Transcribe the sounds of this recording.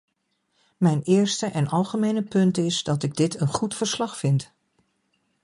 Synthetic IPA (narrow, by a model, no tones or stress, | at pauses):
mɛjnɪːɹstəʔɛnɑlˠχəmejnəpɵntɪsdɑtɪɡ̚dɪtənχutfəɹslɑχfɪnt